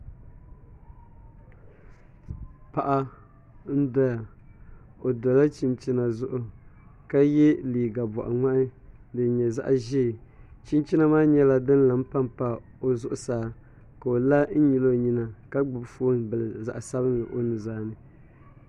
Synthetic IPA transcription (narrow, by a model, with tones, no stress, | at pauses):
pa˨ʔa˦ | n̩˦dɔ˦ja˨ | o˨dɔ˨la˦t͡ʃi˦mt͡ʃi˦na˨zʊ˦ʔʊ˨ka˦jɛ˦liː˨ɡa˨bɔ̰˨ʔa̰˨ŋa˦ʔɪ˦dɨ˨ɲɛ˨za̰˦ʔʒi˦˨t͡ʃi˦nt͡ʃi˦na˦maː˦ɲɛ˦la˦dɨ˦n̩˦la˦mpa˦mpa˨ | o˨zʊ˦˨ʔʊ˨saː˨˦ | ka˨o˨la˦n̩˦ɲi˨lo˦˨ɲi˦na˨ka˦ɡ͡bɨ˨bfo˦nbɨ˨lɨ˨za̰˨ʔa˨sa˦bɨ˦nɨ˨ʔo˦nɨ˨zaː˦nɨ˨